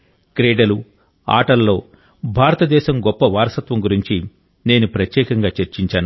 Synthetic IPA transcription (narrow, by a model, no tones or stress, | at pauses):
kɾeːɖɐlu | a̰ːʈɐlːo̞ː | bʱaːɾɐt̪ɐd̪ɛːʃɐmɡɔpːɐʋaːɾɐsɐt̪ʋɐmɡuɾiɲt͡ʃi | ne̞ːnupɾɐt̪jɛːkɐŋɡaːt͡ʃeɾt͡ʃiɲt͡ʃaːnu